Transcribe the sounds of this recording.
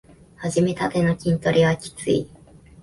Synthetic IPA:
haʑime̞t̪at̪e̞no̞kʲĩnt̪o̞ɾʲiβakʲi̥t͡sɨ̰ḭ

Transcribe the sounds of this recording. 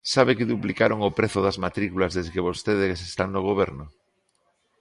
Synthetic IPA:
saβekeðuplikaɾoŋopɾeθoðazmat̪ɾikulazðezɣeβ̞ost̪eð̞ekesest̪annoɣ̞oβ̞eɾno

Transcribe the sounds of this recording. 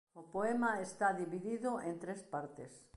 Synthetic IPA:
ʊpoemaest̪aðiβiðiðʊʔent̪ɾespaɾt̪es

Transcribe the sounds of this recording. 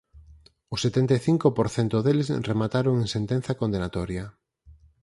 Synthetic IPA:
ʊset̪ɛnt̪eθiŋkopoɾθɛnt̪ʊðelɪsremat̪aɾoŋẽŋsent̪ɛ̃n̟θɐkond̪enat̪ɔɾjɐ

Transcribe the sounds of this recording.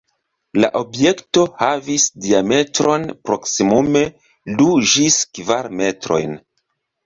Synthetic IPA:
la̰ʔo̞bje̞kto̞havisdiame̞tɾo̞npɾo̞ksimume̞ | lud͡ʒiskvaɾme̞tɾo̞̰jn

